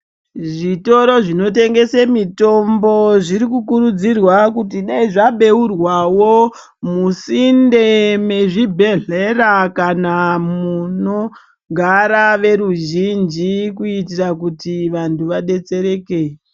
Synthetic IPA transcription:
ʐito̞ɾo̞ʐino̞te̞ŋɡe̞semito̞mbo̞ʐiɾikukuɾud͡zirwakutiɗaiʐaɓe̞urwawo | musindeme̞ʐibʱe̞ɮerakanamuno̞ | ɡʱaɾaʋe̞ɾuʒind͡ʒikuitirakutiʋantuʋaɗe̞t͡se̞ɾe̞ːke

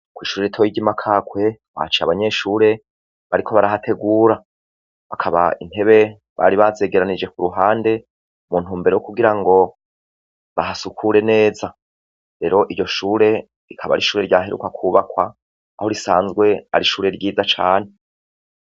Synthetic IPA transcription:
kwiːʃuːɾeitʰojiɟimakʰaːkwe̞ | wa̰t͡ʃiaβaɲe̞ʃuːɾe̞ | βaɾikʰo̞βaɾaɦatʰe̞ɡuːɾa | βakʰaβa̰ḭn̥he̞βe̞ | βa̰ɾiβaze̞ːɡe̞ɾanid͡ʒe̞kuɾuɦaːnde̞ | muːn̥huːmbe̞ɾewokuɡiɾaŋɡo̞ | βaɦasukʰuɾe̞ne̞ːza | ɾe̞ɾo̞ʔiɾjo̞ʃuːɾe̞ | ɾikʰaβa̰ɾiʃuːɾe̞ɾɟaːɦeɾṵkakʰuːβakwa | a̰ho̞ɾisaːnzɡwe̞a̰ɾiʃuːɾe̞ɾɟiːzat͡ʃaːn̥e

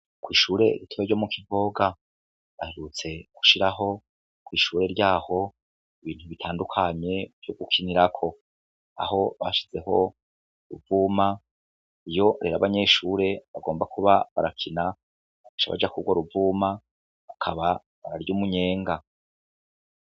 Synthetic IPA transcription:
kwiːʃuːɾe̞̰ɾitʰoβeɾɟo̞mukʰivo̞ːɡa | βaheɾut͡se̞ɡ̥u̥ʃiɾaɦo̞ | kwiːʃuːɾe̞ɾɟaːho̞ | iβiːn̥huβitʰaːndukʰaɲe̞vjoɡukʰiniɾakʰo̞ | a̰ho̞βa̰ʃi̥z̥e̞ɦo̞ | ɾuvuːma | ijo̞ɾe̞ːɾa̰βaɲe̞ʃuːɾe̞βaɡo̞ːmbakʰuβaβaɾakʰina | afaʃa̰βa̰d͡ʒakuɡwoɾuvuːma | βakʰaβa | βaɾaɾjuːmuɲe̞ːŋɡa

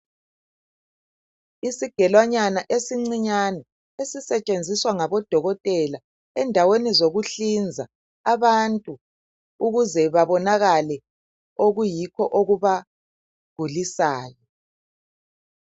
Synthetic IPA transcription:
isiɡ̥ʱɛlwaɲanaʔesiŋ͡ǀiɲanɛ | esisɛt͡ʃʼend͡zʱiswaŋaβɔd̥ʱɔɣɔtʼɛla | ɛndʱawenizoɣuɬind͡zʱa | aβantʼu | uɣuzɛβaβɔnaɣalɛ | oɣujikʰɔʔoɣuβa | ɡ̥ʱulisaːjɔ

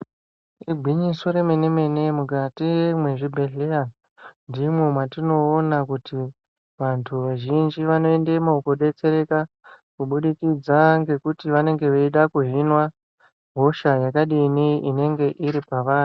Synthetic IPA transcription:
iɡʱwiɲiso̞ɾe̞mene̞me̞ne̞mukatiemwe̞ʐibʱe̞ɮea | ndimwemwatino̞ːnakuti | ʋantʰuʋaʒind͡ʒiʋano̞e̞ndemokuɗe̞t͡se̞ɾe̞ka | kuɓuɗikid͡zaŋɡe̞kutiʋane̞ŋɡe̞ʋeiɗakuɦinwa | ɦo̞ʃajakaɗiniine̞ŋɡe̞ʔiɾipaʋaːnu

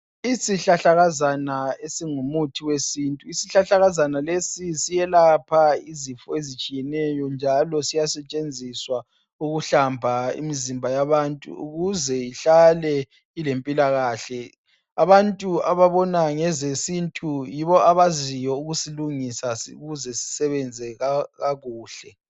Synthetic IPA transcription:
isiɬaɬaɣazanaesiŋumutʰiwesintʼuisiɬaɬaɣazanalesisijɛlapʰaizifɔezit͡ʃʼijɛnɛjɔnd͡ʒʱalɔsijasɛt͡ʃʼend͡zʱiswa | uɣuɬambʱaḭmizimbʱajaβantʼṵṵɣuzɛiɬalɛ | ilempʼilaɣaːɬɛ | aβantʼuaβaβɔnaŋɛzesintʼujiβɔʔaβazijɔuɣusiluŋisauɣuzɛsi̥sɛβɛnd͡zʱɛɣaɣaɣuːɬɛ

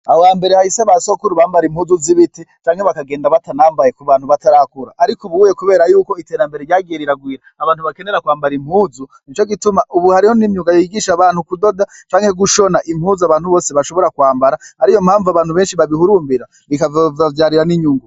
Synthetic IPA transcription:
awaːmbe̞ɾehahiseβasokuɾuβaːmbaɾimhuːzuziβitit͡ʃaːŋhe̞βakaɡe̞ːndaβatanaːmbajekuβaːn̥huβataɾakuɾaʔːɾikuβuːjekuβe̞ːɾajuːko̞iteɾambe̞ɾeɾjaːɡieɾiɾaɡwiːɾaaβaːnhuβake̞ne̞ɾakwaːmbaɾim̥huːzunit͡ʃo̞ɡitumaʔuβuhaɾiho̞nimɲuŋɡajoiɡiːʃaβaːn̥hukudo̞dat͡ʃaːŋhe̞ɡuʃo̞naʔimhuːzuaβaːnhuβo̞ːse̞βaʃo̞βo̞ɾakwaːmbaɾahaɾijo̞mhaːɱvuaβaːnhuβe̞ːnʃiβaβihuɾuːmbiɾa | βikavavavjaːɾiɾaniɲuːŋɡu

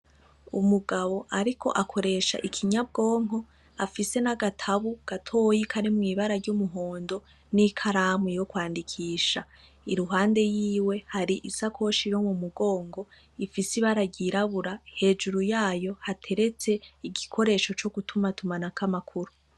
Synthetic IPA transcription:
umuɡaβo̞ʔaɾikʰo̞̰ʔakʰo̞ɾe̞ʃa̰ʔikʰiɲab̚ɡo̞ːŋɦo̞ | afise̞naɡatʰaβuɡ̥atʰo̞ːjikʰaɾimŋiːβaɾaɾɟumuɦo̞ːndo̞ | nikʰaɾamwejo̞kwaːndikʰiːʃa | iɾuɦaːnde̞jiːwe̞haɾiʔisakʰo̞ʃiɾomumuɡo̞ːŋɡo̞ | ifisiβaɾaɟiɾaβuɾahe̞ːd͡ʒuɾujaːjo̞hatʰe̞ɾe̞t͡se̞iɡikʰo̞ɾe̞ːʃo̞t͡ʃo̞ɡ̥utʰumatumanakʰamakʰuɾu

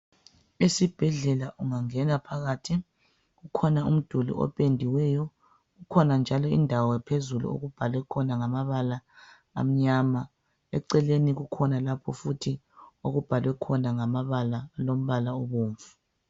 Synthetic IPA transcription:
esib̥ʱɛɮɛlaʔuŋaŋɛnapʰaɣatʰi | ɣukʰɔnaṵm̩d̥ʱulḭʔɔ̰pʼendʱiwɛjɔ | ɣukʰɔnand͡ʒʱalɔḭndʱawɔpʰezulṵo̰ɣub̥ʱalwɛkʰɔnaŋamaβala | a̰m̩ɲama | ɛ̰ǀɛleniɣukʰɔnalapʰɔfutʰi | oɣub̥ʱalwɛkʰɔnaŋamaβalalom̩βalaoβuːɱvu̥

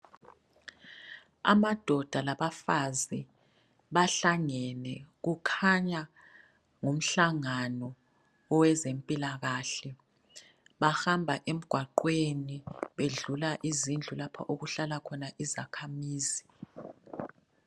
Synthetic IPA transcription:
a̰mad̥ʱɔd̥ʱalaβafazi | βaɬaŋɛnɛɣukʰaɲa | ŋum̩ɬaŋanɔː | wɛzempʼilaɣaɬɛ | βaxambʱaʔem̩ɡ̥ʱwaǃweniβeɮulaʔizind͡ɮʱulapʰa̰ʔoɣuɬalakʰɔnaʔizakʰamiːzi

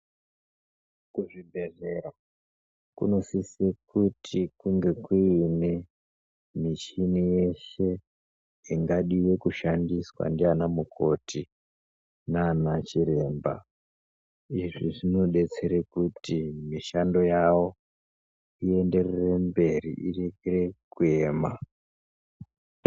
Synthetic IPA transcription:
kuʐibʱe̞ʐeɾa | kṵno̞sisekutʰikuŋɡe̞kuːne̞ | miʃinijeʃe̞ | iŋɡaɗiwe̞kuʃandiswa̰ndianamukʰo̞tʰi | nanat͡ʃiɾe̞mba̰ | iʐiʐino̞ɗe̞t͡se̞ɾekutimiʃando̞jawo̞ | ie̞nde̞rere̞mbe̞rḭʔireɡere̞kue̞ːma̰

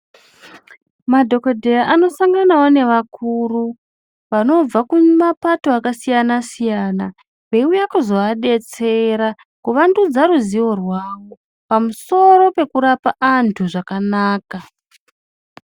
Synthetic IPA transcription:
madʱo̞kodʱeraʔano̞saŋɡanawo̞ne̞ʋakuru | ʋano̞b͡vakumapatoakasijanasijaːna | ʋe̞ujakuzoaɗe̞t͡se̞ɾa | kuʋandud͡zaɾuziwo̞rwaːwo | pamuso̞ɾo̞pe̞kuɾapaʔantʰuʐakanaːka

